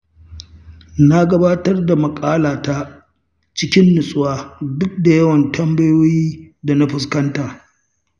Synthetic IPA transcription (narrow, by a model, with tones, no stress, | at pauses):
na˦ɡɐ˦baː˦tɐ˦rda˨mɐ˨kʼaː˦laː˨ta˦ | t͡ʃɪ˦kʲɪ˦nːɪ˨sʼwaː˦dʊ˦k̚da˨jɐ˦wɐ˨ntʰɐ˦mbɐ˦joː˦jiː˦da˨na˦ɸʊ˨skɐ˦ntaː˨